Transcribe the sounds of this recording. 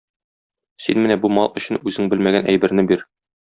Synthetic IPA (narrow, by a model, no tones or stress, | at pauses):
sinmɘnæbumɑlˠɵ̆ɕɘnʉzɘŋbɘlmæɡænʔæjbɘ̆ɾnɘbiɾ